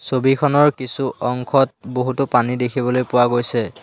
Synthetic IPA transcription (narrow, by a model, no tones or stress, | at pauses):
sobikʰɔnɔɹkisuʔɔŋkʰɔt̚boɦutʊpanidekʰibɔlojpʊwaɡojsɛ